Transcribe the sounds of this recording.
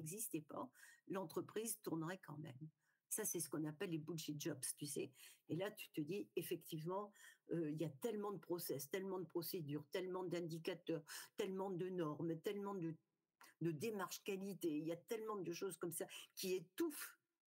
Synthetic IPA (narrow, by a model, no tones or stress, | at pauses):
ɛɡzist̪ɛpa̰lɑ̃t̪χəpχizt̪uʁnəʁɛkɑ̰̃mɛ̰m | sasɛsə̥kɔ̃napɛlːebulʃɛt̪̚ʒɔbst̪ysɛelat̪y̥t̪əd̪iefɛkt̪ivmɑ̃øiljat̪ɛlmɑ̃d̪əpχɔsɛst̪ɛlmɑ̃d̪əpχɔsed̪yʁt̪ɛlmɑ̃d̪ɛ̃d̪ikat̪œʁt̪ɛlmɑ̃d̪ənɔʁmt̪ɛlmɑ̃d̪ə | d̪əd̪emaʁʃkalit̪eiljat̪ɛlmɑ̃d̪əʃozkɔmsakʲiet̪uf